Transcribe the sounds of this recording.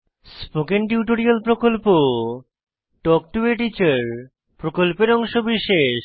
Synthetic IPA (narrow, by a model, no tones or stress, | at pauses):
spokenʈiuʈoɾialpɾokolpo | ʈɔk̚ʈueʈit͡ɕaɾ | pɾokolpeɾɔŋʃobiʃeʃ